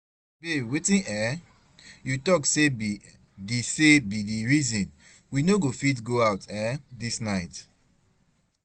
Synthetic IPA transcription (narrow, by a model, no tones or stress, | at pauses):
bewetĩnɛ | jutɔksebi | desebidiɹizĩn | winoɡofitɡoaʊtɛdisnaɪt